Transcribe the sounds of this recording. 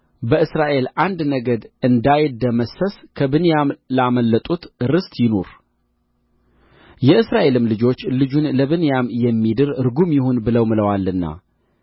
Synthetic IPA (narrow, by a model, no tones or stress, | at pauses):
bəʔɨsɾaʔe̞lʔand̪nəɡəd̪ɨnd̪ajɪd̪əməsəskʰəbɨnjamlaməlːət̪ʼut̪ɾɨst̪jɪnoɾ | jɛʔɨsɾaʔe̞lɨmlɨd͡ʒo̞t͡ʃːlɨd͡ʒunləβɨnjamjɛmːid̪ɨɾɨɾɡumjɪhonbɨləwmɨləwalːɨnːa̰